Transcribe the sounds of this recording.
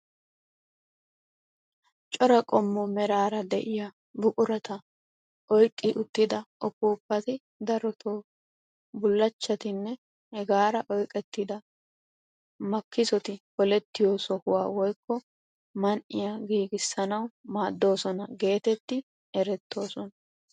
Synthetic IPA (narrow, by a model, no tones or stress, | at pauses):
t͡ʃʼɔɾɐkʼɔmːɔmɛɾaːɾɐd̪ɛʔɪja | bʊkʼʊɾɐt̪ɐ | ʔɔjkʼːɪʔʊt̪ːɪd̪ɐʔɔpːuːpːɐt̪ɪ | d̪ɐɾɔt̪ʰoː | bʊlːɐt͡ʃːɐt̪ɪnːɛ | hɛɡaːɾɐʔɔjkʼɛt̪ːɪd̪ɐ | mɐkːɪsɔt̪ɪhɔlɛt̪ːɪjoːsɔhʊwaːwɔjkːɔ | mɐnʔɪjaɡiːɡɪsːɐnɐwmaːd̪ːo̞ːsɔnɐɡe̞ːt̪ɛt̪ːɪ | ɛɾɛt̪ːo̞ːsɔnɐ